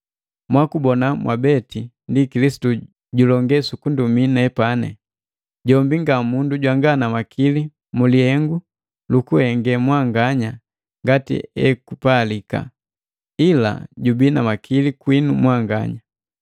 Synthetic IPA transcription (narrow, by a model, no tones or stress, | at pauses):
mwakubɔnamwʔa̰bɛti | ndikilisi̥tu | ɟulɔŋɡɛsukunduminɛpanɛ̰ | ɟɔmbiŋɡamunduɟwaŋɡanamakʰili | mulihɛŋɡu | lukuhɛŋɡɛmwaŋɡaɲa | ŋɡatḭɛ̰kupaːlika̰ | ila̰ɟubinamakʰilikwinumwaŋɡa̰ɲa